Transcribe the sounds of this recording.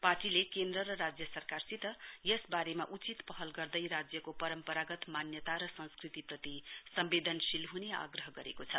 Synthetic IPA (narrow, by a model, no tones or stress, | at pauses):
paʈilekend̪rʌɾʌɾad͡zjʌsʌrkarsit̪ʌjʌsbaɾemaʔut͡sit̪pʌɦʌlɡʌrd̪ʌjɾad͡zjʌkopʌɾʌmpʌɾaɡʌt̪manjʌt̪aɾʌsʌ̃skrit̪iprʌt̪isʌmbed̪ʱʌnsilɦunea̰ɡrʌɦʌɡʌɾekot͡sʰʌ